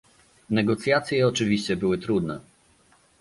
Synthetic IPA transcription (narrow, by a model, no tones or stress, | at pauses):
nɛɡɔt̪sʲjat̪sʲjɛɔt͡ʂɘvʲiɕt͡ɕɛbɘwɘt̪ɾud̪nɛ̰